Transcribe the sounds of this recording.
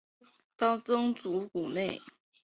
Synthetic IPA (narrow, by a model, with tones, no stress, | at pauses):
t̪ɑ˥˩ʊt͡sɤ˥ŋt͡su˧˥ku˨˩ne˥˩ɪ